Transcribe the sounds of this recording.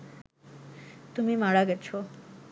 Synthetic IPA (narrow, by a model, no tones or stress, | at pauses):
t̪umimaɽaɡɛt͡ɕʰo